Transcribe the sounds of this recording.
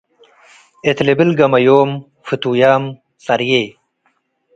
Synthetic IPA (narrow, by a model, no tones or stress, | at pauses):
et̪lebilɡɐmɐjoːm | fit̪uːjaːm | sɐɾjeː